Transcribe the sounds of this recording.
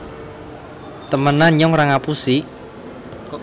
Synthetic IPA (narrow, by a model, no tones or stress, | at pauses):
t̪əmənaɲɔŋraŋapusi